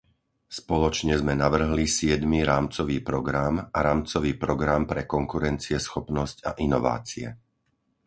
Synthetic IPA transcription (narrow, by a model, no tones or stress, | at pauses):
spɔlɔt͡ʃɲɛzmɛnaʋr̩ɦlisɪɛd̪miɾaːmt͡sɔʋiːpɾɔɡɾamaɾaːmt͡sɔʋiːpɾɔɡɾampɾɛkɔŋkuɾɛnt͡siɛsxɔpnɔsca̰ʔinɔʋa̰ːt͡siɛ̰